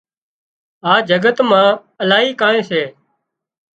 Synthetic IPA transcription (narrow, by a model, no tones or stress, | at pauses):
aːd͡ʒəɡət̪mãː | əlaːɦiːkãːẽːseː